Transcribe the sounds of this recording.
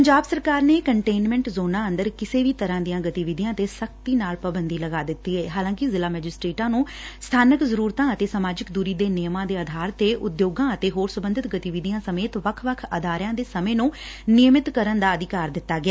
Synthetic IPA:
pəɲd͡ʒaːbsəɾkaːɾneːkəɳʈeːnmɛ̃ːɳʈzoːnãːənd̪əɾkɪseːʋiːt̪əɾãːd̪ijãːɡət̪iːʋɪd̪ijãːt̪eːsək̚t̪iːnaːlpɾəbənd̪iːləɡaːd̪ɪt̪ːiːɛːɦaːlãːkɪzɪlaːmɛːd͡ʒɪsʈɾeːʈãːnũː | st̪ʰaːnəkzəɾuːɾt̪ãːət̪eːsəmaːd͡ʒɪkd̪uːɾiːd̪eːnɪjəmãːd̪eːəd̪ʱaːɾt̪eːʔʊd̪joːɡãːət̪eːɦoːɾsʊbə̃nd̪ɪt̪ɡət̪iʋɪd̪ɪijãːsəmeːt̪ʋəkʰʋəkʰəd̪ʱaːɾjãːd̪eːsəmẽːnũːnɪjəmɪt̪kəɾənd̪aːəd̪ɪkaːɾd̪ɪt̪ːaːɡɪaː

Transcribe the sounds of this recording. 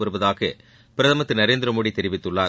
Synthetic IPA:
ɐɾɯbɐðaːɣɐ | pɪɾɐðɐmɐt̪ːɯnɐɾeːnd̪ɪɾɐmoːɽit̪ːɛɾɪʋɪt̪ːɯɭːaː

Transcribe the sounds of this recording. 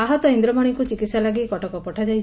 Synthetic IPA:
aɦɔt̪ɔind̪ɾɔbɔɽ̃ikut͡ʃikit̪salaɡikɔʈɔkɔpɔʈʰad͡ʒajʰ

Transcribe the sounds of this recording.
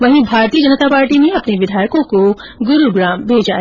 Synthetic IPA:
ʋɐɦĩbʱaːɾt̪iəd͡ʒɐnət̪apaːɾʈimẽɐpneʋɪd̪ʱaːjkõko | ɡʊɾuɡɾaːmbʱeːd͡ʒaː

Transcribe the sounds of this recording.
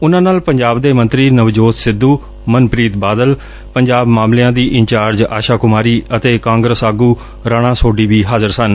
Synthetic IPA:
ʊnãːnaːlpəɲd͡ʒaːbd̪eːmə̃nt̪ɾiːnəʋd͡ʒoːt̪sɪd̪ːuː | mənpɾiːt̪baːd̪əl | pəɲd͡ʒaːbmaːmlejãːd̪iːʔɪɲt͡ʃaːɾd͡ʒa̰ːʃaːkʊmaːɾiːət̪eːkãːŋɡɾəsaːɡuː | ɾaːɽ̃ãːsoːɖiːbiːɦaːzəɾsən

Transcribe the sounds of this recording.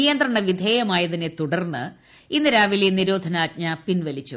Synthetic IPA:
ijɐnd̪rɐɳɐʋid̪ʱeːjɐmaːjɐðinet̪uɽɐrnːɨ | inːɨɾaːʋileniɾo̞ːd̪ʱɐnaːt̚ɲɐpinʋɐlit͡ɕːṵ

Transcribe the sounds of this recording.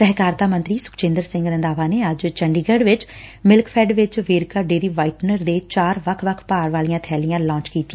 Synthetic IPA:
sɛɦkaːɾt̪aːmə̃nt̪ɾiːsʊ̥kt͡ʃẽːnd̪əɾsɪ̃ŋɡɾənd̪aːʋaːneːəd͡ʒt͡ʃəɳɖiːɡəːɖʋɪt͡ʃmɪlkpʰɛːɖʋɪt͡ʃʋeːɾkaːɖeːɾiːʋaːɪʈnəɾd̪eːt͡ʃaːɾʋəkʰʋəkʰpaːɾʋaːlijãːt̪ʰɛːlijãːlãːt͡ʃkiːt̪iã

